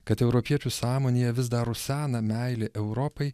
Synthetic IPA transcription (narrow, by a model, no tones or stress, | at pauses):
kɐt̪ɛʊɾɔpʲiɛt͡ʃʲusɑːmoːnʲeːjɛʋʲɪsd̪ɐɾʊsʲæːnɐmʲæˑɪlʲeʔɛʊɾɔpɐɪ